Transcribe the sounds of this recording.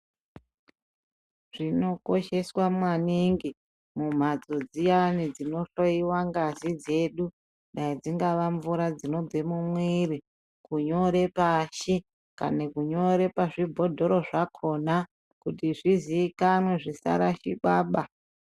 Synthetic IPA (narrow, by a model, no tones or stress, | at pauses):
ʐ̥ino̞koʃe̞swamwaniŋɡi | mum̤ad͡zo̞d͡zijanid͡zino̞ɬoiwaŋɡazid͡ze̞ɗu | ɗaid͡ziŋɡaʋaɱvuɾad͡zino̞b͡vemumwiɾi | kuɲo̞ɾe̞paʃi | ka̰nekuɲo̞ɾe̞paʐibʱo̞dʱo̞ɾo̞ʐakʰo̞na | kutiʐiziːkanweʐisa̰ɾaʃiɓaːɓa